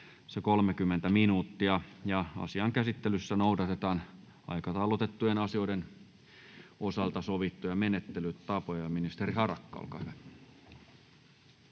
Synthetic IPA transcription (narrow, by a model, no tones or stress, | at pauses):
sekolmekymːent̪æminuːt̪ːiɑjɑɑ̰siɑŋkæsit̪ːelysːænoudɑt̪et̪ɑːn | ɑ̰ikɑt̪ɑulːot̪et̪ːujenɑsioiden | osɑlt̪ɑsoʋit̪ːujɑmenet̪ːelyt̪t̪ɑpojɑminist̪erihɑrɑkːɑ̰o̰lkɑ̰hyʋæ